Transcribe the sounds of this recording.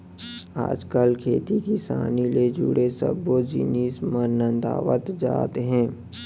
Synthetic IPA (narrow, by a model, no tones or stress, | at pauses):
a̰ːd͡ʒkəlkʰeːt̪ikisa̰ːniled͡ʒʊ̰ɽesə̰bod͡ʒḭniːsmənːə̃nd̪a̰ːʋə̰t̪d͡ʒa̰ːt̪eɦɛ̃ː